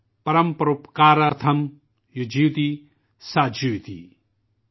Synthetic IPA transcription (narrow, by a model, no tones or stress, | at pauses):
pɐɾɐmpɾupkaːɾɐɾt̪ʰɐm | jud͡ʒiwt̪i | sad͡ʒiwt̪ḭ